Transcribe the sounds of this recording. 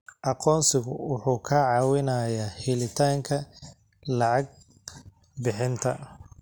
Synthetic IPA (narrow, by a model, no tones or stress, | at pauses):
ʔɑqɔːnsɪɣʊwʊħuːkʰɐʕɑːwɪnaːjaːhɪlɪt̪ʰaːŋkʰɐ | lɑʕɑɡ̚ | bɪħɪnt̪ʰɐ